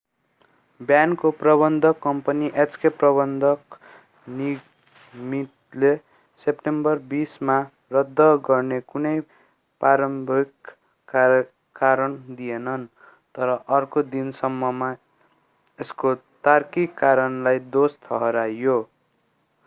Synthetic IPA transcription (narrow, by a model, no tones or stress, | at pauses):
bjankoprʌbʌnd̪ʱʌkːʌmpʌniʔet͡skeprʌbʌnd̪ʱʌk | ni | mit̪le | sepʈembʌrbisma | rʌd̪ʱːʌɡʌrnekunʌj | paɾʌmbʱikː | aː | aɾʌnd̪ijenʌn | t̪ʌɾʌʔʌrkod̪insʌmːʌma | eskot̪arkikːaɾʌnlajd̪ost̪ʰʌɦʌɾajo